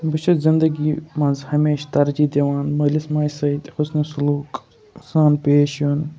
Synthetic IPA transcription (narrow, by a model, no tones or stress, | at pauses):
bɨt͡ʃʰɐt̪zind̪ɐɡiːmɐnzhɐmeːʃt̪ɐɾd͡ʒiːd̪eʋaːnmɐlismaːjsɐit̪ʲxʊsnɐsʊluːk | saːnpeːʃoːn